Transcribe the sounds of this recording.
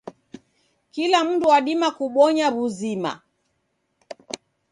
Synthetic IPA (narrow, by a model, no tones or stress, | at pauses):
kilam̩duwaɗimakuɓɔɲaβuzima̰